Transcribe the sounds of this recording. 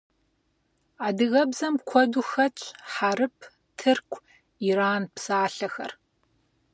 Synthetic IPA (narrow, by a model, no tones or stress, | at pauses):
aːdɨɣɐbzɐmkʷʰɔduxɐt͡ʃʼħaɾɨpʰ | tʰɨrkʷʰʼ | iɾaːnpsaːɬɐxɐ̰r